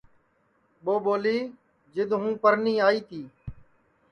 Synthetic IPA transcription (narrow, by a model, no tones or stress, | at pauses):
ɓoːɓoːliː | d͡ʒɪd̪ɦũːpəɾniːaːiːt̪ʰiː